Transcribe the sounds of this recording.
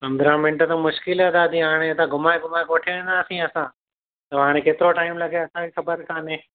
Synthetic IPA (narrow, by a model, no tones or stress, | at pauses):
ɐ̃mbɾaːmɪ̃ɳʈət̪ãmʊʃkɪləd̪aːd̪ĩɦaːɽ̃et̪ãɡʱʊmaːeɡʱʊmaːekoːʈʰeɽ̃naːsĩɐsãː | t̪ɐɦaːɽ̃ekeːt̪ɪɾoʈaːɪmlɐɡʱeɐsãkixɐbəɾkʰaːnẽː